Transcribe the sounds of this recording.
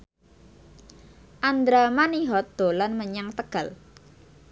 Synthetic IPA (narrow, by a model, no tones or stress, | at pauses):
ʔand̪ɾamaniɦɔt̪̚d̪̥o̤lanməɲaŋt̪əɡ̥a̤l